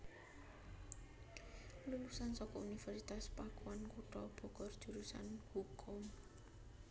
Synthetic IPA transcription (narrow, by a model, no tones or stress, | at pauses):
lulusansɔkɔunifɛrɾsit̪aspakuankuʈɔb̥ɔ̤ɡ̥ɔrd̥ʒ̥ṳɾusa̰nhukʰʊm